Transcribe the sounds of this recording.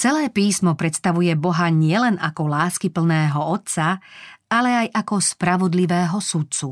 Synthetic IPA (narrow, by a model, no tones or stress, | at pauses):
t͡sɛlɛːpiːsmɔpɾɛt̪st̪aʋujɛbɔɦaɲɪɛlɛnakɔlaːskipl̩nɛːɦɔɔt̪t͡saalɛajʔakɔspɾaʋɔd̪liʋɛːɦɔsut̪̚t͡su